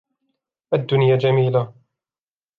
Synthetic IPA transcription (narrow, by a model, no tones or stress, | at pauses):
ʔad̪ːʊnjad͡ʒamiːla